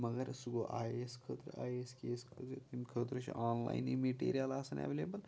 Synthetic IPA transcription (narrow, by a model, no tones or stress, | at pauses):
mɐɡɐɾsuɡoʔaːjeskʰəːt̪ɾa̰ːjeːskeːskʰəit̪imkʰəːt̪ɾɨt͡ʃʰḭaːnla̰ːjnimeʈḛːɾijalaːsɐnɛ̰ʋeleːbɐl